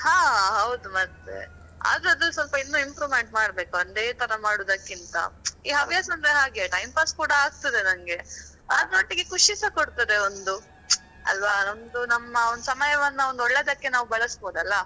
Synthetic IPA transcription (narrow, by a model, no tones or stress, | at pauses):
haːɦɐwd̪umɐt̪ʋe̞̰ | a̰ːd̪ɾɐd̪ɐsʋɐlpɐinːuːimpɾoːmeɳʈ̚maːɽbe̞ːkuɐnd̪eːt̪ʰɐɾɐmaːɽoːd̪ɐkːint̪ɐ̰iːɦɐʋijasɐnd̪ɾeɦaːɡiɐʈɐjnpaskuːɽɐaːɡ̚t̪ɐd̪e̞nɐŋɡe̞ | ɐnoːʈːiɡe̞kuʂisɐkoɽt̪ɐd̪e̞ond̪u | ɐ̰lʋaond̪unɐmːɐonusɐmɐjɐʋɐnːɐond̪oɭːeːd̪ɐkːe̞naːʋubɐɭɐsboːd̪ɐlːɐ